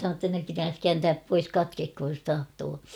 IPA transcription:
tːɑ ne pitæːs kæːntæːp pois kɑtkekhoj jos tɑhtoː

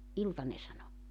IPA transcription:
iltɑ ne sɑno

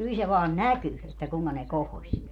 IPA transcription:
kyl se ʋɑːn næky etːæ kuŋkɑ ne kohosʲ

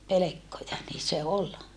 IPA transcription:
pelekːojɑ niː se ol

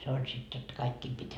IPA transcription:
se olʲ sit jotːɑ kɑikːiːm pitʲ

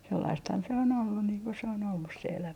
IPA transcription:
selːɑisthɑn se on olːun niːŋ ko se on olːus se elæmæ

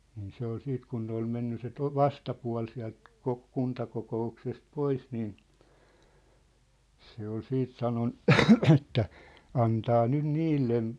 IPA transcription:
niːn se ol siːt kun ne ol menːy se to ʋɑstɑpuɑ̝l siæ̝lt kok kuntɑkokouksest pois niːn se ol siːt sɑnon etːæ ɑntɑː nyn niːlːen

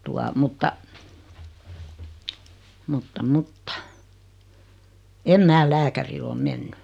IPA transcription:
tuɑ mutːɑ mutːɑ mutːɑ em mæː læːkæril om menːy

